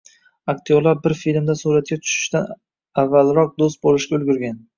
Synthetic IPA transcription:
akt̪ʰijɒɾlaɾbɪɾfilmd̪asuɾat̪̚kʲat̪ʰʊ̥ʃɪ̥ʃt̪an | avːalɾɒq̚d̪os̬t̪̚bolɪʃkʲaɵlɡʲʊɾɡʲan

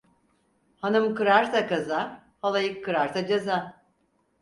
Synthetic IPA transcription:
hanɯmkɯɾaɾt̪ʰakaza | halˠajɯkʰːɯɾaɾt̪ʰad͡ʒaza

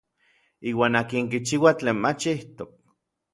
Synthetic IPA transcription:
iːwaːnakiŋkit͡ʃiwat͡ɬeːnmat͡ʃiht̪ok̚

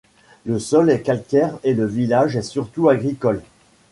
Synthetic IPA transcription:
ləsɔlɛkalkʲɛʁeləvilaʒɛsyʁt̪uaɡʁikɔl

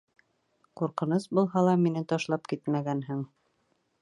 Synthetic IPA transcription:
quɾqɤ̆nɤsbulˠɦɑlˠɑminɘt̪ɑʃlˠɑpkit̪mæɡænɦɘɴ

